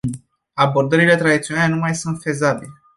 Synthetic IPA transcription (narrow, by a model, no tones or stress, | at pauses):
abo̞rd̪əɾile̞t̪ɾad̪it̪sionalenumajsunt̪fe̞zabile